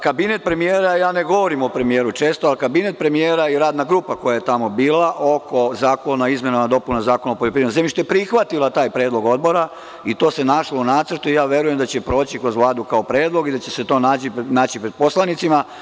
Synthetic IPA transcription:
kabinet̪̚pɾe̞mijeːɾajaːneɡo̞ʋoɾimo̞pɾe̞mije̞ːɾut͡ʃe̞ːst̪oalkabinet̪̚pɾe̞mijeːɾaiɾaːd̪naɡɾuːpako̞jajet̪amo̞biːlaʔo̞ko̞zaːkonaizmjenamad̪o̞punozaːkonopoljepɾimenzemiʃt̪ojepɾixʋat̪ilat̪aːjpɾe̞ːd̪loɡo̞d̪̚bo̞ɾa | it̪o̞ːse̞naʃlo̞unaːt̪səɾt̪uijaːʋje̞ɾuje̞md̪at͡ɕepɾo̞ːt͡ɕikɾo̞zʋlˠaːd̪ukaopɾeːd̪lˠo̞ɡid̪at͡ɕe̞set̪o̞ːnaːt͡ɕinaːt͡ɕipɾed̪̥̚po̞slanit̪sima

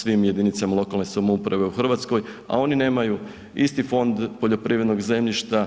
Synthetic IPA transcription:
sʋimje̞d̪init̪samalˠo̞kalne̞samoupɾaʋe̞uxr̩ʋat̪sko̞j | a̰o̞nine̞ːmaju | ist̪ifo̞nd̪po̞ʎo̞pɾiːʋɾe̞d̪no̞ɡze̞mʎiʃt̪a

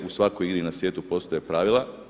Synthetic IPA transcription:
usʋakojiɡɾinasʋjeːt̪upo̞st̪ojepɾaːʋilˠa

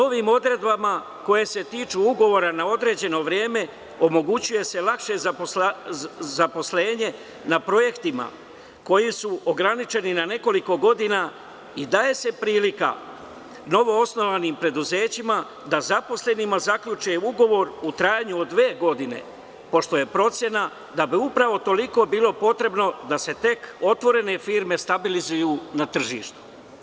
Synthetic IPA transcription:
no̞ʋimo̞d̪ɾe̞d̪bama | ko̞je̞se̞t̪iːt͡ʃuuɡo̞ʋo̞ɾanao̞d̪ɾe̞ːd͡ʑe̞no̞ʋɾje̞ːme̞ | o̞mo̞ɡut͡ɕuje̞se̞lakʃe̞zapo | zapo̞sle̞ːɲe̞ | napɾo̞je̞kt̪ima̰ | ko̞jisuʔoɡɾanit͡ʃe̞ninane̞ko̞liko̞ɡo̞d̪ina | id̪aːje̞se̞pɾiːlika̰ | no̞ʋo̞osno̞ʋanimpɾe̞d̪uze̞ːt͡ɕima | d̪azapo̞sle̞nimazakʎut͡ʃeuɡo̞ʋo̞ɾut̪ɾaːjaɲuod̪ːʋe̞ːɡo̞d̪ine̞̰ | po̞ʃt̪oje̞pɾo̞t̪sje̞na | d̪abiupɾaʋo̞t̪o̞liko̞ːbiːlˠo̞po̞t̪ɾe̞bno̞d̪ase̞t̪e̞ko̞t̪ʋo̞ɾe̞ne̞fiːɾme̞st̪abilizujuːnat̪r̩ʒiːʃt̪u̥

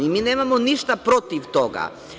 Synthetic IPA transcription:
imineːmamoniʃt̪apɾot̪iʋt̪oɡa̰

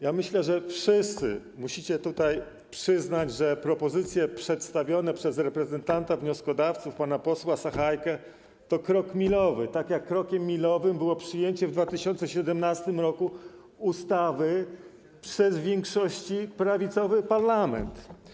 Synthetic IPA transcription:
jamɘɕlɛʐɛfʂɘst̪sɘ̰ | muɕit͡ɕɛt̪ut̪aj | pʂɘznad͡ʑʐɛpɾɔpɔzɘt̪sʲjɛpʂɛt̪st̪avʲjɔnɛpʂɛzɾɛpɾɛzɛnt̪ant̪avɲɔskɔd̪aft̪sufpanapɔswasaxajkɛ | t̪ɔkɾɔkmʲilɔvɘt̪akʲjakːɾɔkʲɛmːʲilɔvɘmbɘwɔpʂɘjeɲt͡ɕɛvd̪vat̪ɘɕɔnt̪sɛɕɛd̪ɛmnast̪ɘmɾɔku | ust̪avɘ | pʂɛzvʲjeŋkʂɔɕt͡ɕipɾavʲit̪sɔvɘpaɾlamɛ̰nt̪

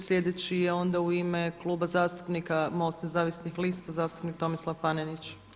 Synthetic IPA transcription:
slʎʲe̞d̪et͡ɕijeo̞nd̪auimeklˠuːbazaːst̪u̥pnikamost̪nezaːʋisnixliːst̪azaːst̪u̥pnik̚t̪o̞mislˠapanenit͡ʃ

